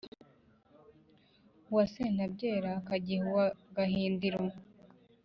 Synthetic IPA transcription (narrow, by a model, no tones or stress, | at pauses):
uwaseːn̥abɟe̞ːɾakaɟihuwaɡahiːndiɾa